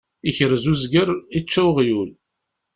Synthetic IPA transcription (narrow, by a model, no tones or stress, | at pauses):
içəɾzuzɡəɾˤit͡ʃːæwʁjul